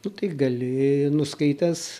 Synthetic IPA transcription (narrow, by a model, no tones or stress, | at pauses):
nʊt̪ɐɪɡɐlʲɪnʊskɐɪt̪ʲɛs